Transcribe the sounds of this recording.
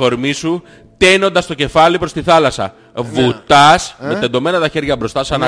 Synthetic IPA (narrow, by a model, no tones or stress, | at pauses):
o̞ɾmisu | t̪e̞no̞nd̪ɐst̪o̞ce̞fɐlipɾo̞st̪iθɐlɐsɐ̰ | vut̪ɐsme̞t̪end̪o̞me̞nɐt̪ɐçe̞ɾʝɐbɾo̞st̪ɐsɐnɐ